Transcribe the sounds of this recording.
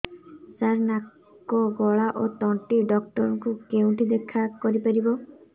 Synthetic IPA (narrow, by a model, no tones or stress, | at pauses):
saɾnak | ɔɡɔɭaʔot̪ɔɳʈiɖɔkʈɔɾɔ̃ŋkukeũʈʰid̪ekʰakɔɾipaɾibɔ